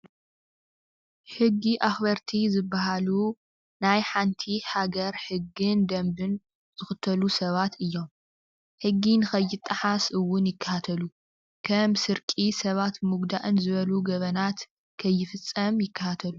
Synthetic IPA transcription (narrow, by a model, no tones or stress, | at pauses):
ħɨɡːiʔaxβɐɾt̪ʰizɨbːaɦalu | najħant̪ʰihaɡɐɾħɨɡːɨnd̪ɐmbɨn | z̥ɨxɨt̪ʰɐlusɐβat̪ʰɨjːo̞m | ħɨɡːinɨxɐjːɪt̪ʼːɐħasɨwːʊnjɪkʰːɐ̥hat̪ʰɐlu | kʰɐmsɨɾkʼisɐβat̪mɨɡd̪aʔɨnzɨβɐluɡɐβɐnat̪ | kʰɐjːɪfɨt͡sʼːɐmjɪkːɐhat̪ʰɐlu